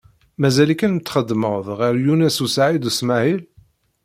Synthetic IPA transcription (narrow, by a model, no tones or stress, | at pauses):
mæzælikænmət̪ːχəd̪ːməwðˤʁæɾjunæsusaʕid̪usmæhil